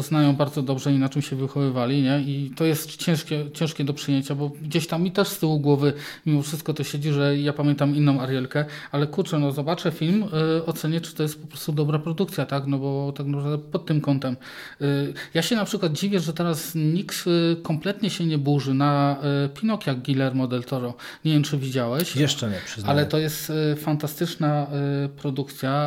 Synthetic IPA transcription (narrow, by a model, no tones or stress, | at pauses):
ɔznajɔ̃w̃baɾd̪zɔd̪ɔbʐɛinat͡ʂɘmɕɛvɘxɔvɘvalʲiɲɛit̪ɔjɛst̪t͡ɕɛ̃w̃ʂkʲɛt͡ɕɛ̃wʂkʲɛd̪ɔpʂɘjeɲt͡ɕabɔɡd͡ʑeɕt̪amːit̪ɛʂst̪ɘwuɡwɔvɘ | mʲimɔfʂɘst̪̚kɔt̪ɔɕed͡ʑiʐɛjapamʲjɛnt̪aminːɔ̃w̃aɾjɛlkɛalɛkuɾt͡ʂɛnɔzɔbat͡ʂɛfʲilmɔt̪sɛɲɛt͡ʂɨ̥t̪ɔjɛst̪̚pɔpɾɔst̪ud̪ɔbɾapɾɔd̪ukt̪sʲjat̪aknɔbɔt̪aknapɾavd̪ɛpɔt̪ːɘmkɔnt̪ɛm | jaɕɛnapʂɘkwad̪̚d͡ʑivʲjɛʐɛt̪ɛɾasɲikt̪kɔmplɛt̪ɲɛɕɛɲɛbuʐɘnapʲinɔkjaɡɡʲilɛɾmɔd̪ɛlt̪ɔɾɔ | ɲevʲjɛmt͡ʂɘvʲid͡ʑawɛɕjɛʂt͡ʂɛɲɛpʂɨzalɛt̪ɔjɛst̪fant̪ast̪ɘt͡ʂnapɾɔd̪ukt̪sʲja